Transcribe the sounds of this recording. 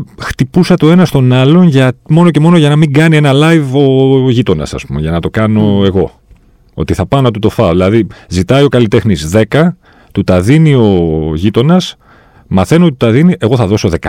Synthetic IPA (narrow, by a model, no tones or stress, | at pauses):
xt̪ipusɐt̪eoe̞nɐst̪o̞nɐlo̞nʝɐt̪mo̞no̞ce̞mo̞noʝɐnɐmiŋɡɐnie̞nɐlɐjvo̞ʝit̪o̞nɐ̰sɐ̰spumeʝɐnɐt̪o̞kɐno̞e̞ɣo̞ | o̞̰t̪iθɐpɐnɐt̪ut̪o̞fɐðilɐðizit̪ɐio̞kɐlit̪e̞xnizðe̞kɐ | t̪ut̪ɐðinio̞ʝit̪o̞nɐs | mɐθe̞not̪it̪ut̪ɐðiniʔe̞ɣo̞θɐðo̞so̞ðekɐ